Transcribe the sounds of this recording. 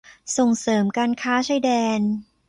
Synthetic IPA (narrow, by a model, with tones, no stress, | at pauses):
so˨˩ŋsɤː˩˦mkaː˧nkʰaː˦˥t͡ɕʰaː˧jdɛː˧n